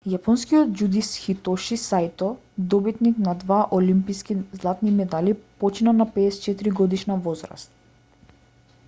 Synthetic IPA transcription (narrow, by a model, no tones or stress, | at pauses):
japɔnskijɔt̪̚d͡ʒud̪isxit̪ɔʃisajt̪ɔ | d̪ɔbit̪niknad̪vaʔɔlimpiskizlˠat̪nimɛd̪alipɔt͡ʃinanapɛːst͡ʃɛt̪iɾiɡɔd̪iʃnavɔzɾa̰st̪